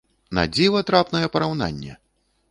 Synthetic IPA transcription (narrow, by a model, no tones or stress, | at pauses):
na̰d͡zʲivˠɐt̪ɾapnɐjɛpɐɾawna̰nʲːɛ̰